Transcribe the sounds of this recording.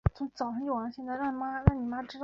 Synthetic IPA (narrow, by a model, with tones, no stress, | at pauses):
t͡sʰʊ˧˥ŋt͡sɑ˨˩ʊʂɑ˥ŋt͡ɕjo˥˩ʊ˩ɑ˧˥ɕjɛ˥˧nt͡sa˥˧ɪɑ˥˩ŋ˨˩ma˥ɻɑ˥˩ŋni˨˩ma˥ʈ͡ʂɻ̩˥t̪